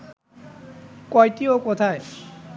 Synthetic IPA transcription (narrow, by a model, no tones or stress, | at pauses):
kojtiokot̪ʰae